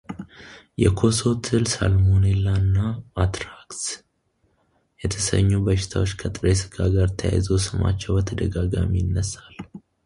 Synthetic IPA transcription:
jɛkʰo̞so̞t̪ʰɨlsa̰lmonelːanːaat̪ɾaks | jɛt̪ʰəsə̰ɲːubəʃɪ̥t̪ʰawo̞t͡ʃːkʰət̪ʼɨɾesɨ̥ɡaɡaɾt̪ʰəja̰jzəwsɨma̰t͡ʃːɛwbət̪ʰəd̪əɡaɡa̰mijɪnːəsal

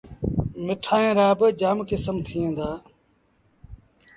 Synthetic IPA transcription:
mɪʈʰaːẽːɾaːbd͡ʒaːmkɪsəmt̪ʰiːẽːnd̪aː

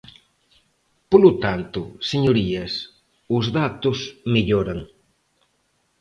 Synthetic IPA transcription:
polʊt̪ant̪ʊseɲʊɾiɐs | ʊzðat̪ʊsmiʎoɾaŋ

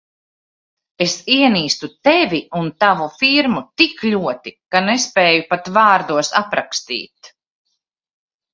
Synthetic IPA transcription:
esiɛniːst̪ut̪evʲiunt̪avufiɾmut̪ikʎʲuɔt̪ikanespɛːjupat̪vaːɾd̪uɔsapɾakst̪ḭːt̪

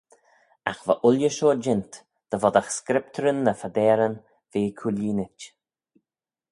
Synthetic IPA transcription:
a̰xvaʔʊljəʃoːd͡ʒɪnt̪ | d̪̥əvɔd̪axskɾɪp̚t̪ʰəɾənːəfad̪ɛːɾən | v̥eːkʰuliːnɪt͡ʃ

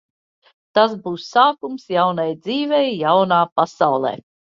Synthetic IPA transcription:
t̪asbuːsaːkumsjawnajd̪ziːvɛjːawnaːpasawlˠɛ̰ː

